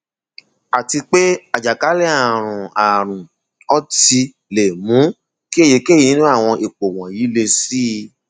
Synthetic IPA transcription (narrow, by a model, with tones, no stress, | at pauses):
a˨ti˧k͡pe˦a˨d͡ʒa˨ka˨˦lɛ˦a˨ɾ̃ũ˨a˨ɾ̃ũ˨ | ɔ˦ti˧ | le˨mũ˨˦ | ki˦e˦˨ji˨˦ke˦˨i˦˧nĩ˦nũ˦a˦˨w̃ɔ̃˧ʔe˨k͡po˨w̃ɔ̃˨ji˨˦le˧si˦˧